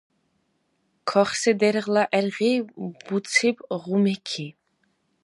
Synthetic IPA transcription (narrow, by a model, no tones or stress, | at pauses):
kʰɔχsɛd̪ɛɾʁlaʔɛɾʁib̥ut͡sʰibʁumɛkʰi